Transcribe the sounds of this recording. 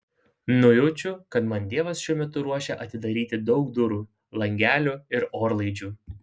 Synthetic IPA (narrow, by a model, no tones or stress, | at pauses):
nʊjʊt͡ʃʲʊkɐt̪mɐnt̪ʲeːɛʋɐsʃʲuɔmʲɛt̪ʊɾuɔʃʲɛʔɐt̪ʲɪd̪ɐɾʲiːt̪ʲɪd̪ɒʊkd̪ʊɾuː | lˠɐŋʲɡʲæːlʲuːɪɾoːɾlˠɐɪd͡ʒʲuː